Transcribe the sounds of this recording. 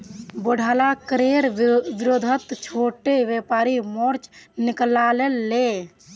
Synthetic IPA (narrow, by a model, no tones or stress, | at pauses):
boɽʱaːlakɾeːɾʋɪɾoːd̪ʱət̪t͡ʃʰoːʈeʋjepaːɾimoɾt͡ʃnɪklalelːe